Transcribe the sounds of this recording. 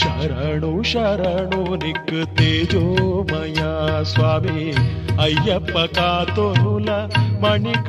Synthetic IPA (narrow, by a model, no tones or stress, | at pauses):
ʃɐɾɐɳuʃɐɾɐɳunikːɨt̪eːd͡ʒomɐjasʋaːmi | ɐjːɐpːɐkaːt̪onulɐmɐɳik